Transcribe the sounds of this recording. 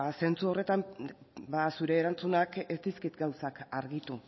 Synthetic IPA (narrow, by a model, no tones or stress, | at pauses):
se̞nt͡suo̞re̞t̪ambasuɾe̞ːɾant͡sunakest̪iskit̪ɡawsakaɾɣit̪u